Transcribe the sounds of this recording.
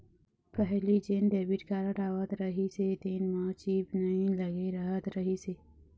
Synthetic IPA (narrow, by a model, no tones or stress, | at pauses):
pəɦlid͡ʒenɖeːbiʈkaːɾəʈaːwət̪ɾəɦiset̪enmãt͡ʃiːbnɐɦĩləɡeɾɐɦət̪ɾɐɦise